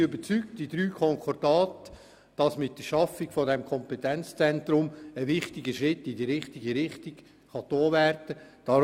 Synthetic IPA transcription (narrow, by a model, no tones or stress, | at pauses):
ʏbət͡syktd̥idɾyːkʰɔŋkʰɔrd̥ɑːtə̥ | d̥ɑsmɪtdəʃɑfɪkfɔdɛmkʰɔmpɛt̪ɛnt͡st͡sɛntɾʊməʋɪχtɪɡəʃɾɪtːɪdiɾɪχtɪɡiɾɪχtik | χɑtoːʋærdəd̥ɑ